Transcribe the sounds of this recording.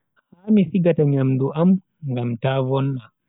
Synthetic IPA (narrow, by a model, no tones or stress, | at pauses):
haːmisiɡataɲamduʔam | ŋɡamtavɔnːa